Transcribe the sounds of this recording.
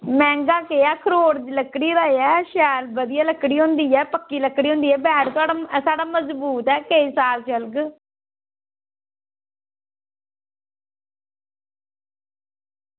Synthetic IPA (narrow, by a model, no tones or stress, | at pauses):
mɛ̃ːŋɡaːkeːaːkʰəɾoːɽləkɽiːɾəːeɛːʃɛːlbəd̪ɪjaːləkːɽiːɦõːnd̪iːɛːpəkːiːləkːɽiːɦõːnd̪iːɛːbɛːɽt̪ʊaːɽasaːɖaːməzbuːt̪ɛːkəiːsaːlt͡ʃəlɡ